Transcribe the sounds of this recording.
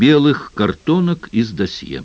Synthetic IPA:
bʲɛlˠɨxkɐrt̪ɔnɐkizd̪ɐsʲjɛ̰

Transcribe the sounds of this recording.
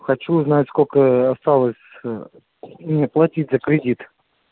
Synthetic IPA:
xɐt͡ɕuznatʲskolʲkəɐst̪alˠəsʲ | plˠɐtʲitʲzəkɾʲɪdʲit̪

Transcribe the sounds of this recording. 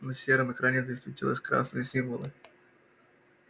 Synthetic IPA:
nəsʲːeɾəmɨkɾanʲezəɪsʲt̪vʲɪtʲilˠə̰sʲkɾa̰snɨjəsʲiɱvəlˠɨ

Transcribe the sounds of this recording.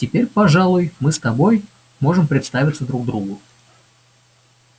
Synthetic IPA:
tʲɪpʲeɾʲpɐʐalˠʊjmɨst̪ɐbo̞j | mo̞ʐɨmpɾʲɪt̪st̪avʲɪt̪səd̪ɾuɡ̚d̪ɾuɡʊ

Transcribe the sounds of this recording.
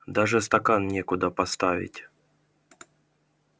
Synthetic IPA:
d̪aʐɨst̪ɐkannʲekʊd̪əpɐst̪avʲɪ̰tʲ

